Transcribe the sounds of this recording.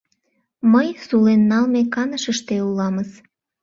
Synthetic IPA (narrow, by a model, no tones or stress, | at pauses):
məjsulenːɑlmekɑnəʃəʃt̪eulɑməz